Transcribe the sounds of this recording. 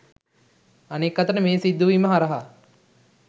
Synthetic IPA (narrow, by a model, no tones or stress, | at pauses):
anekːɐt̪ənəmeːsid̪ːuʋiːməɦaɾɐɦa